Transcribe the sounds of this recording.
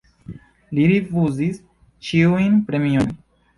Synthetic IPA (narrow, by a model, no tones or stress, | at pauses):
liɾifuzis | t͡ʃiujnpɾemion